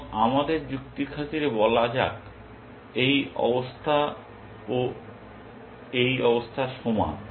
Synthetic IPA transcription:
amad̪eɾd͡ʑukt̪ikʰat̪iɾebɔlad͡ʑa̰k | ejɔ̰bost̪ʰa | o | ejɔbost̪ʰaʃoma̰

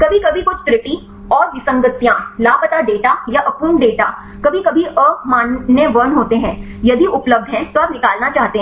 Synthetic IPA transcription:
kɐbʱikɐbʱikʊt͡ʃʰt̪ɾɪpi | ɔːɾʋɪsə̃ŋɡət̪jãlaːpət̪aɖeːʈajaʔɐkuːnɖeːʈa | kɐbʱikɐbʱiʔəːɾkʰmãːnːeʋɐɾnɦoːt̪eɦɛ̃ː | jɐd̪ʱiʔʊpləb̚d̪ʱɦɛ̃t̪oaːpnɪkaːlnat͡ʃaːɦt̪eɦɛ̃

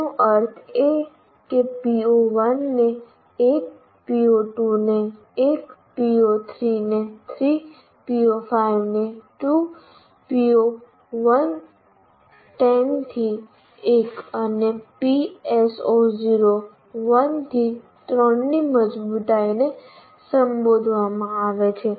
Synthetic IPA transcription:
oʔəɾt̪ʰe | epioʋənːe | eːk̚ | pioʈuneː | kpiot̪ʰɾiːnet̪ʰɾiː | piopʰaːɪʋneʈuː | pio | ʋən | ʈɛnt̪ʰi | ekənepiesoziɾo | ʋənt̪ʰi | t̪ɾəɳniməd͡ʒbut̪aine | səmbod̪ʱʋamãaʋet͡ʃʰe

